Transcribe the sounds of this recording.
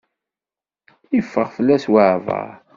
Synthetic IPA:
ifːəʁfəlːæswaʕvə̰ɾ

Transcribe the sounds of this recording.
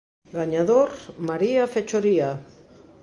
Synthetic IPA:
ɡaɲaðoɾmaɾiafet͡ʃoɾia

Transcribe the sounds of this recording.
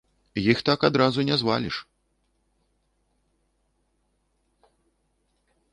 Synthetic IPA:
jixt̪akad̪ɾazunʲɛzva̰lʲḭʂ

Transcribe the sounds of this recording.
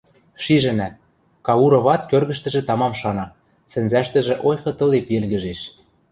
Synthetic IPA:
ʃiʒɘ̆næt̪̚ | kɑuɾoβɑt̪kørɣɘ̆ʃt̪ɘ̆ʒĕt̪ɑmɑmʃɑnɑ | sɘ̆nzæʃt̪ɘ̆ʒĕʔojxɤ̆t̪ɤ̆lepelɣɘ̆ʒeʃ

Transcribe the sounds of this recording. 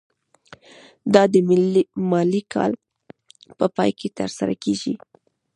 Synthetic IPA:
d̪ɑd̪əmɪlmɑlikʰɑ̰l | pəpɑjkʰet̪əɾsaɾa̰keʒḭ

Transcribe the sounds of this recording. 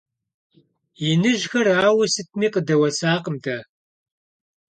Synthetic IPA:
jɪnɨʒxɐraːwɐsɨt̚ʰmiːqədɐwɐsaːqəmdʰɐ

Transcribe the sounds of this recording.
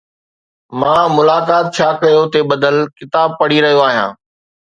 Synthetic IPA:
mãːmʊlaːkaːt̪̚t͡ɕʰaːkɐjot̪eɓɐd̪əlkɪt̪aːb̚pɐɽ̤iɾɐɦijoaːɦjã̰ː

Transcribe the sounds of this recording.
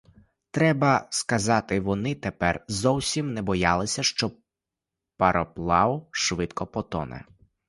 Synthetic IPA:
t̪ɾɛbɐskɐzɑt̪ɪʋɔnɪt̪epɛrzɔwsʲimnɛbɔjɑlˠɪsʲɐʃt͡ʃɔ | pɐɾɔplˠɑwʊʃʋɪt̪kɔpɔt̪ɔ̰nɛ̰

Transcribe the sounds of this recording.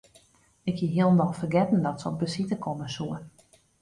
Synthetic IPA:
ɪkhiɦiəlˠndɔlˠfərɡɛtn̩dɔtsəɔp̚bəsitəkʰɔməsuən

